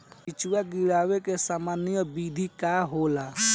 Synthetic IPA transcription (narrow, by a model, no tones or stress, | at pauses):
pɪt͡ʃwaɡɪɽaːʋekesaːmaːnjəbiːd̪ʱikaːɦoːla